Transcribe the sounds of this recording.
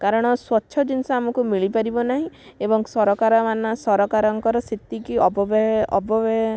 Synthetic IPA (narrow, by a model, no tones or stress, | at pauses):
kaɾɔɽ̃ɔswɔtːʃʰɔd͡ʒinsaamɔkumiɭipaɾibɔnaɦĩebɔŋsɔɾɔkaɾɔmanasɔɾɔkaɾɔŋkɔɾɔsit̪ːikiɔbɔbeɦɔbɔbeɦ